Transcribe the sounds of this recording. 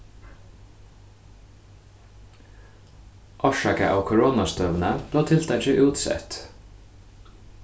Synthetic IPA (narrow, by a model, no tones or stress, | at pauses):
ʔɑʃɑkə̰ʔɑ̰ːkʰʊɹoːnɑst̪œʋənəb̥leːt̪ʰɪlt̪ʰɛt͡ʃɪʔʉːt̪sɛ̰t̪